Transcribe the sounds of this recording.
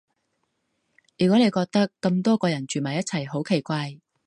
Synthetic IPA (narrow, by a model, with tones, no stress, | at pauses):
jyː˨˩kɔ˨˥ne˨˧jkɔː˧k̚t̪ɐ˥kːɐ˧mt̪ɔː˥kɔː˧jɐ˨˩nt͡ʃyː˨˩mɐ˨˩jɐ˥t͡sʰɐ˨˩jɦo˨˥wkʰe˨˩jkʷaː˧j